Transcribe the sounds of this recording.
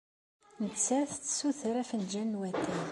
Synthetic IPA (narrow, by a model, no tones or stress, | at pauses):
nət͡sːæθt͡sːə̥suθəɾæfənd͡ʒænwæt̪ːæ